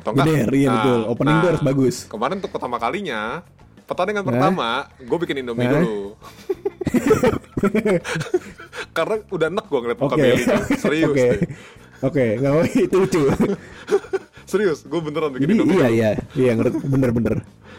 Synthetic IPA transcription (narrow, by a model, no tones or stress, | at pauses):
t̪oŋbənərijabət̪ʊlopənindoaɾʊsbaɡʊskəmaɾɪnunt̪ʊk̚pərt̪amakaliɲa | pərt̪adəŋanpəat̪amaɡuabikɪnindoma | karnaudahənək̚ɡuaŋəliat̪̚okeokesɾioke | okeŋaoit̪uit͡ʃu | səɾiʊsɡuabənəɾanbikdiːjaijaijaŋərbənərbənər